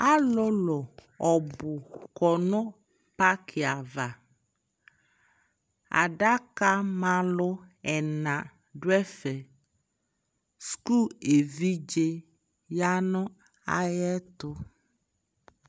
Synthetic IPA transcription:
a˦lʊ˦lɔ˨ | ɔ˨bʊ˨kɔ˨nɔ˦ | pa˦kʰɪ˨a˨va˨ | a̰˨da˦ka˦ma˦lʊ˦ɛ˨nã˨ | dʊ˦ɛ˦fɛ˨ | sku˦˨e˨vi˦d͡ʒe˦ | ja˦nʊ˦ | a̰˦jɛ˦tʊ˦

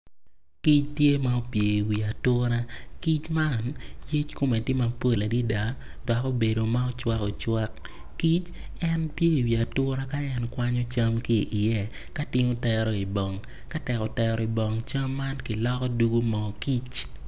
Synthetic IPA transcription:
ki˦t͡ʃtje˦ma˦o˦pje˨i˨wi˨a˨tʊ˦ɾa˦ki˦t͡ʃma˦nje˦t͡ʃko˨mɛ˨tɪ˦ma˨po˦la˨di˦da˦ | dɔ˨kɔ˦be˨do˨ma˦ɔ˦t͡ʃwa˦kɔ˨t͡ʃwa˦kː | i˦t͡ʃ | ɛ˦npje˦i˨wi˨a˨tʊ˦ɾa˦ka˦ɛ˦nkwa˦ɲɔ˦t͡ʃa˦mkɪ˦ʔːjɛ˦˨ | ka˦tɪ˦ŋo˦tɛ˦ɾɔ˨i˨bɔ˨ŋ | ka˦tɛ˨kɔ˨tɛ˨ɾɔ˨i˨bɔ˨ŋt͡ʃɐ˦mːa˦nkɪ˨lɔ˦kɔ˦du˦ɡu˦mɔ˨ki˦t͡ʃ

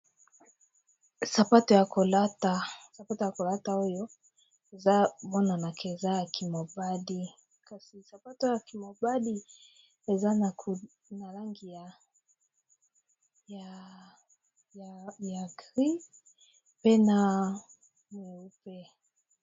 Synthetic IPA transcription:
sa˨pa˦tɔ˨ja˨kɔ˨la˦ta˦sa˨pa˦tɔ˨ja˨kɔ˨la˦ta˦u˦jɔ˦ | e˨za˦vɔ˦na˨na˨kʰɛ˨za˦ja˨kʰi˨ma˨ba˦di˦ | ka˦si˨sa˨pa˦tɔ˦ja˨ki˨ma˨ba˦di˦ | e˨za˦na˨k | na˨ɾa˦ŋɡi˨ja˨ | ja˨ | ja˨ɡʁi˦ | pe˦na˨ | mɛ˨u˦pɛ˦

